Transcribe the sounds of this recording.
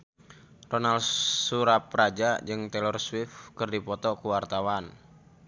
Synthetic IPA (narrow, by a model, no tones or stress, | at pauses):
rɔnalsuɾaprad͡ʒad͡ʒɨŋt̪ɛlɔrswifkɨrdipɔt̪ɔkuwart̪awan